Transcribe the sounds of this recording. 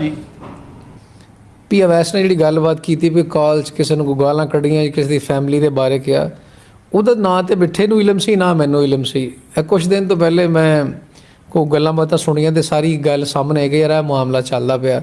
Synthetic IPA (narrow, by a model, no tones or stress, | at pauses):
piːəʋɛːsnẽːd͡ʒeːɽiːɡəlbaːt̪kiːt̪iːp̬ikaːlt͡ʃkɪseːnũːɡaːlãːkəɽiãːd͡ʒkɪseːd̪iːpʰɛːmliːd̪eːbaːɾeːkɪa̰ː | ʊd̪anãːt̪eːbɪʈʰːeːnũːɪləmsiːnãːmɛ̃ːnũːɪləmsiː | kʊt͡ʃʰd̪ɪnt̪õːpɛːleːmɛ̃ː | koɡəlːãːbət̪ãːsʊɽ̃iːãːt̪̬eːsaːɾiːɡəlsaːmneːkːjaːɾɛːmʊaːmlaːt͡ʃəld̪aːpɪaː